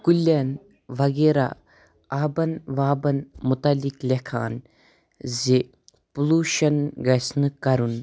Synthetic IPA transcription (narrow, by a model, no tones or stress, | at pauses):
kulʲːen | ʋɐɡeːɾa̰ | aːbɐnʋaːbɐnmut̪ɐliklʲekʰa̰ːn | ze | puluːʃɐnɡɐsnɨkɐɾun